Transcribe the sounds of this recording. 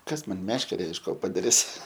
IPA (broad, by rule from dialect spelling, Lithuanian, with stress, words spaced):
ˈkɐs ˈmɐn ˈmʲæːʃʲkʲɛrʲɛ ɪʃ ˈkoː pɐdɐˈrʲɪs